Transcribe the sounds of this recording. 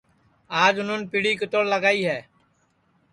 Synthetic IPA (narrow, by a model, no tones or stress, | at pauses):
aːd͡ʒʊnonpiːɽiːkət̪oːɽləɡaːiːɦɛː